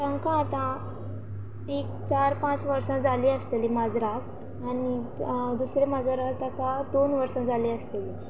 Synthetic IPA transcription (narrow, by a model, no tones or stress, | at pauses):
təŋkãːt̪ã | ekt͡ɕaɾpãt͡sʋəɾsãd͡zʱaliːəst̪eliːmad͡zɾak | aɽ̃id̪usɾemad͡zaɾat̪ak̪ãd̪onʋəɾsãd͡zʱaliːəst̪eli